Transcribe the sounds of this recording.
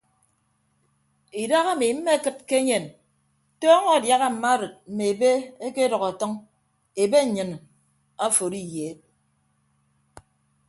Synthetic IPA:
i˨da˦ɣa˦˨mi˨m̩˦me˦kɨ˦t̚ke˦ɲe˨n | tɔː˦ŋɔ˦˨dja˦ɣa˦m̩˨ma˦ɾɨ˨t̚m̩˨me˨e˨be˦e˦ke˦dɔ˨ɣa˨tɔ˦ŋ | e˨be˦ɲ̩˨ɲɨ˨n | a˦fo˨ɾi˦je˨˦t̚

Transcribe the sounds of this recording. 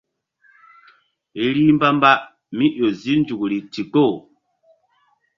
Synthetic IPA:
e˨ɾi˦m˦ba˦m˦ba˦ | mi˦ʔo˨zi˦n˦d͡ʒu˨kɾi˨ti˨ɡo˦˨

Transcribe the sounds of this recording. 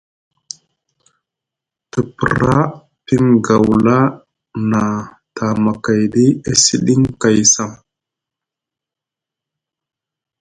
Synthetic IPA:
ti˨pḭ˨ɾa˦ | ti˦ŋɡa˨wla˦ | na˨ | tʰa˨ma˨ka˨jdi˦e˦si˦ɗi˦ŋka˨jsa˦˨m

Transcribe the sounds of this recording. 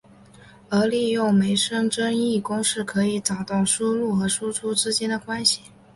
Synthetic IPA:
ə˞˧˥li˥˧jʊ˥˩ʊme˧˥ɪʂɤ˥ŋʈ͡ʂə˥ŋi˥˩kʊ˥ŋʂɻ̩˥˩kʰɤ˧˥i˧˥t͡sɑ˨˩ʊt̪ɑ˥˩ʊʂu˥lu˥˩xɤ˧˥ʂu˥ʈ͡ʂʰu˥ʈ͡ʂɻ̩˥t͡ɕjɛ˥nd̪ə˨kwa˥nɕi˨˩

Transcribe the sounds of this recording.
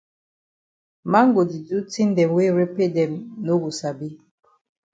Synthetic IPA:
ma˦ŋ˦ɡo˨di˨du˦ti˦n˦dɛ˨mwe˦ɾe˦pe˦dɛ˨mno˦ɡu˨sa˨bi˦

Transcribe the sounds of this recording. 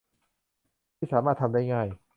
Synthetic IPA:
iː˥˩saː˩˦maː˥˩t̪ʰa˧mdaː˥˩jŋaː˥˩j

